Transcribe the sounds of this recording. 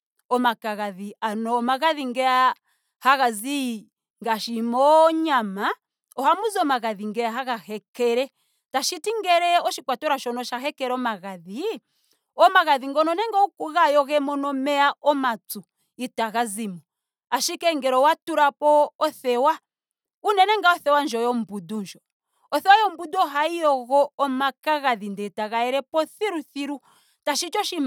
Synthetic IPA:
ɔmakaɣaðianɔːmaɣaðiŋɡɛa | haɣazi | ŋɡaʃimɔɲama | ɔhamuzɔmaɣaðiŋɡɛjaɦaɣahɛkɛɾɛ | taʃitiŋɡɛɾɛɔʃikwatɔɾaʃɔnɔʃaɦɛkɛɾɔmaɣaði | ɔmaɣaðiŋɡɔnɔnɛŋɡɔukuɣajɔɣɛmɔnɔmɛaʔɔmatu | itaɣazimɔ | aʃikɛŋɡɛɾɔwatuɾapɔːθɛwa | unɛnɛŋɡaɔθɛwand͡ʒɔjɔm̩budund͡ʒɔ | ɔθɛwajɔm̩buduɔɦaijɔɣɔːmakaɣaðindɛtaɣaɛɾɛpɔθiɾuθiɾu | taʃit͡ʃɔʃim

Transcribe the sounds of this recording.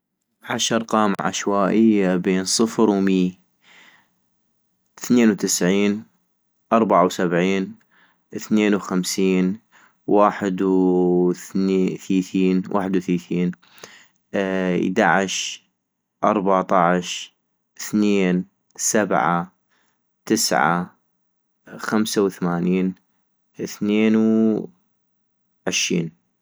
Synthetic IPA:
ʕaʃɑɾˤqɑːmʕa̰ʃwaːʔɪjːabeːnsˤɨfɾwmiː | θneːnwt̪ɪsʕiːn | ʔɑɾˤbaʕawsabʕiːn | ʔəθneːnwxamsiːn | waːħɪd̪wθnːθiːθiːnwʔa̰ːħɪd̪wθiːθiːn | d̪aʕɪʃ | ʔɑɾˤbat̪ˤɑʕʃ | ɪθneːn | sabʕa | t̪ɪsʕa̰ | xamsawθamaːniːn | θneːnw | ʕɪʃḭːn

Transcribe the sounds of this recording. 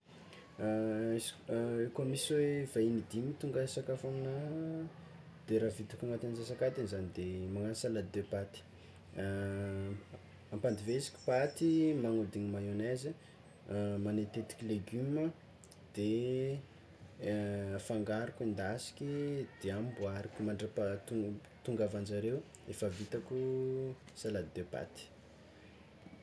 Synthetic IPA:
ekomiswevainid̪imit̪uŋɡəsakafanə | d̪̥eɾavit̪ukʲaŋat̪anzasakat̪anizanid̪emaŋanisalad̪epat̪i̥ | ampand̪iveizi̥kʲi̥pat̪imaŋud̪iŋimajonazə | manet̪et̪i̥kʲileɡymə | d̪̥e | faŋɡaɾukind̪asi̥kʲid̪̥eambuaɾikʲumaɳɖ͡ʐapat̪u | t̪uŋɡavand͡ʒaɾew | efavit̪aku | salad̪d̪epa̰t̪i̥

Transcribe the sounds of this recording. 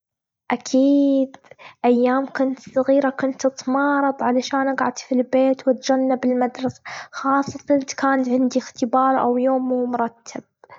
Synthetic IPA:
ʔakʰiːd̪ʔajːaːmkʊnt̪sˤɑɣiːɾakʊnt̪ɨt̪ˤmɑːɾˤɑðˤʕalaʃaːnʔaɡʕad̪filbeːt̪wɪt̪̚d͡ʒanːabɪlmad̪ɾˤɑsḁxɑːsˤːɑt̪at̪kaːnt̪ʕɪnd̪ixt̪ɪbɑːɾˤʔa̰wjoːmːuːmʊɾˤɑt̪ʰːab̥̚

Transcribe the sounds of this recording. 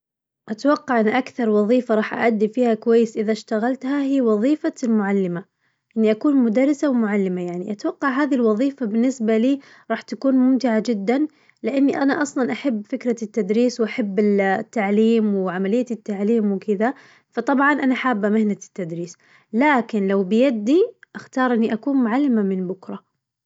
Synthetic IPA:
ʔat̪awɑqːɑʕʔɪnaʔakθɑɾˤwɑðˤiːfaɾˤɑːħʔa̰ʔad̪ːifiːhakʊwajːɪsʔɪðaʃt̪aɣalt̪hahiːwɑðˤiːfalmʊʕalːɪma | ʔɪnːiʔakuːnmʊd̪ɑrˤːɪsawɪmʊʕalːɪmajaʕniʔat̪wɑqːɑʕɦaːðilwɑðˤiːfabɪnːɪsbaliː | ɾˤɑːħt̪akuːnmʊmt̪ɪʕad͡ʒɪd̪ːan | lɪʔanːiʔanaʔɑsˤlɑnʔaħabːfɪkɾat̪ːad̪ɾiːswʔaħabːɪt̪ːaʕliːmwɪʕamalɪjːaɪt̪ːaʕliːmwɪkɪða | fɑt̪ˤɑbʕɑnʔanaħaːbːamɪhnat̪ːad̪ɾiːs | laːkɪnlawbɪjad̪ːiʔaxt̪ɑːɾˤʔɪnːiʔakuːnmʊʕalːɪmamɪnbʊkɾˤɑ

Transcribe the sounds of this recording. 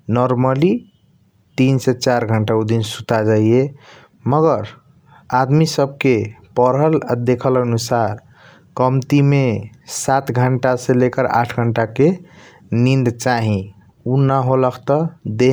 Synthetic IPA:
nɔɾməli | t̪inset͡ʃaɾɡʱəɳʈaud̪insut̪ad͡ʒaie | məɡəɾ | ad̪misəb̚ʱkepəɾəld̪ekʰələnusaɾ | kəmt̪imesat̪ɡʱəɳʈasẽlekəɾa̰ʈʰɡʱəɳʈake | nind̪t͡ʃaɦĩ | unaɦoləkʰt̪ɔd̪e

